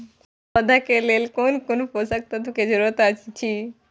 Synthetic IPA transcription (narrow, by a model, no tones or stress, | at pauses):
pəd̪ʱakelelkonkonposək̚t̪at̪oked͡ʒəɾuɾət̪at͡ʃt͡ʃʰi